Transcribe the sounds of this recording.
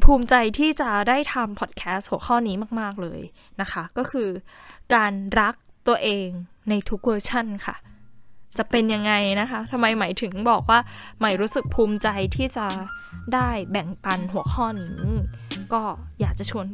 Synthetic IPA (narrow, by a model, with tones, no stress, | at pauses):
pʰuː˧mt͡ɕa˧jt̪ʰiː˥˩t͡ɕa˨˩daː˥˩jt̪ʰa˧mpʰɔ˨˩t̪̚kʰɛː˦˥st̚hu˨˩˦xʰɔː˥˩niː˦˥maː˥˩k̚maː˥˩k̚lɤ̰ː˧j | na˦˥kʰa˦˥kɔː˥˩kʰɯː˧kaː˧nɾa˦˥k̚t̪u˧ɐəʔeː˧ŋna˧jt̪ʰu˦˥k̚wɤː˧t͡ɕʰa˥˩nkʰa̰˥˩ | t͡ɕa˨˩pe˧nja˧ŋːa˧jna˦˥kʰa˦˥t̪ʰa˧mːa˧jmaː˩˦jt̪ʰɯ˩˦ŋbɔː˨˩k̚waː˥˩ | ma˦˩jɾuː˦˥sɯ˨˩k̚pʰuː˧mt͡ɕa˧jt̪ʰiː˥˩t͡ɕa˨˩daː˥˩jbɛ˨˩ŋpa˧nɦu˩˦əxʰɔː˥˩niː˦˥kɔː˥˩jaː˨˩k̚t͡ɕa˨˩t͡ɕʰu˧ən